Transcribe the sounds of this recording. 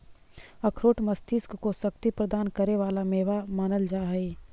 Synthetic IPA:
ɐkʰɾoːʈmɐst̪ɪskkosɐk̚t̪ipɾəd̪aːnkɐɾeʋaːlameːʋamaːnəld͡ʒaːɦeː

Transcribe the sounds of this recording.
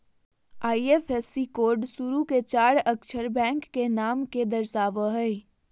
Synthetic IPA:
aːiefʰesːikoːɾɖsuɾuket͡ʃaːɾəkt͡ʃʰəɾbɛ̃ŋkːenaːmked̪əɾsaːʋəɦəɪ

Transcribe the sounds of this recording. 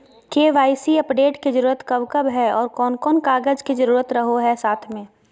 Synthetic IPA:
keːʋaːisiɐpɖeːʈkid͡ʒəɾuːɾət̪kɐʋkəbɦɛɔːɾkɔːnkɔːnkaːɡəd͡ʒkid͡ʒɐɾuːɾət̪ɾɐɦoɦɛsaːt̪ʰmẽː

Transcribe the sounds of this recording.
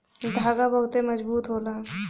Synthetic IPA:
d̪ʱaːɡabəɦʊt̪emɐd͡ʒbuːt̪ɦolã

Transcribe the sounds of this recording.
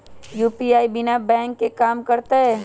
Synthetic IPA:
juːpiaːibɪnabɛ̃ːŋkːekaːmkɐɾt̪aɦɛː

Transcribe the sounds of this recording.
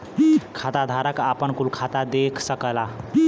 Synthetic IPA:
kʰat̪ad̪ʱaɾəkapənkulkʰat̪ad̪ekʰsəkəla

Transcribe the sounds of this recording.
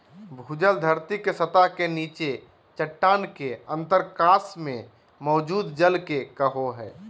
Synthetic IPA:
bʱud͡ʒəld̪ʱəɾt̪ikesət̪aɦkeniːt͡ʃe | t͡ʃəʈːaːnkeə̃nt̪əɾkaːsmẽ | mɔːd͡ʒuːd̪d͡ʒəlkekəɦoɦɛː

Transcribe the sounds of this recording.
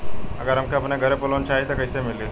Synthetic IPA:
ɐɡəɾɦɐmkeɐpneɡʱɐɾepɐloːnt͡ʃaːɦet̪okɐisemɪle

